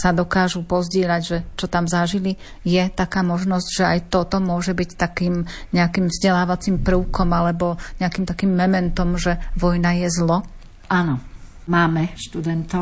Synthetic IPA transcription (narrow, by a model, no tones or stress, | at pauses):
sad̪ɔkaːʒupɔzɟɪɛʎaɟʒɛt͡ʃɔt̪amzaʒili | jɛt̪akaːmɔʒnɔzɟʒɛajt̪ɔt̪ɔmʊɔʒɛbict̪akiːmɲɛakimvzɟɛlaːʋat͡simpɾəʊkɔmalɛbɔɲɛakiːmt̪akiːmːɛmɛnt̪ɔmʒɛʋɔjnajɛzlɔ | ʔanɔ | maːmɛʃt̪ud̪ɛnt̪ɔ